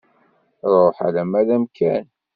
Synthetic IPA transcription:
ɾˤoħa̰læmæðæmkʰæn

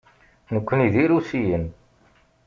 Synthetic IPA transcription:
nəkʷːəniðiɾusijən

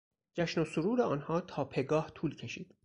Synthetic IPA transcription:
d͡ʒæʃnosoɾuːɾeɒːnhɒːt̪ʰɒːpʰe̞ɡɒːht̪ʰuːlcʰe̞ʃiːd̪̥

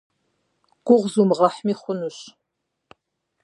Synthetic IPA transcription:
ɡ̥ʷʊʁzumʁɐħmiːχʷʊnuɕ

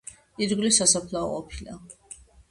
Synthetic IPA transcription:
iɾɡlisasapʰlaɔ̰qʼɔpʰila

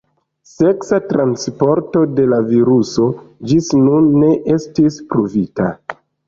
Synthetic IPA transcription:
se̞ksatɾanspo̞ɾto̞de̞laviɾuso̞d͡ʒisnunːe̞ʔe̞stispɾuvita̰

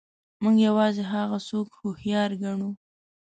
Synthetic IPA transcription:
muɡjawɑzeɦaɣasokhohjɑɾɡaɳu

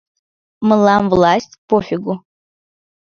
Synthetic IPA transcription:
mɨlamvlˠasʲtʲpofɪɡʷʊ

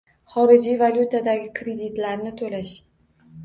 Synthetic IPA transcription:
χɒɾɪd͡ʒijvalʲut̪ʰad̪aɡʲɪkʰɾe̞d̪it̪laɾnɪt̪ʰolaʃ

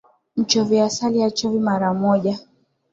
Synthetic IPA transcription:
m̩t͡ʃɔviasaliat͡ʃɔvimaɾamɔʄa

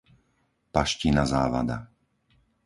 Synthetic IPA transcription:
paʃcinazaːʋa̰d̪a̰

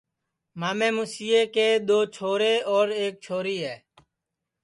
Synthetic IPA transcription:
maːmẽːmuːsiːeːkeːɗ̪oːt͡ʃʰoːɾeːɔːɾeːk̚t͡ʃʰoːɾiːɦɛː

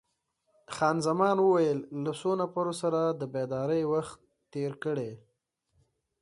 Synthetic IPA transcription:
xɑnzamɑnwəwajəlːasonapaɾosaɾad̪əbed̪ɑɾəjwaxt̪ː | eɾkəɽe

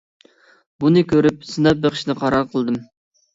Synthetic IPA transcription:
bunɨkʲʰøɾyp̚sɨnɑp̚beχʰʃnɨqʰɑɾɑɾqʰəlˠɨd̪ɨm

